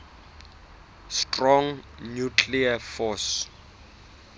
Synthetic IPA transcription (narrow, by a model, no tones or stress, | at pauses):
stʼrɔŋnjukʰliafɔs